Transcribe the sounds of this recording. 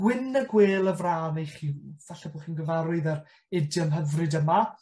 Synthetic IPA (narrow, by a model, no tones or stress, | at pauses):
wɪnəɡweːlˠəvraːnejχiːvaɬɛbʊχiːnɡəvaɾʊɨðar | ɪdjəmɦəvrɨdəma